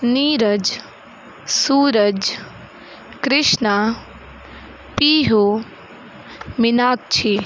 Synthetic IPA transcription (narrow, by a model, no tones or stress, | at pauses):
niːɾəd͡ʒ | suːɾəd͡ʒ | kɾɪʃna | piːɦo | mɪnaːk̚t͡ʃʰi